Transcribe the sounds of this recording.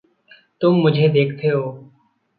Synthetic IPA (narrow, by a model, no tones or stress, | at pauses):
t̪ʊmːʊd͡ʒʱeːd̪eːkʰt̪ʰeːɦoː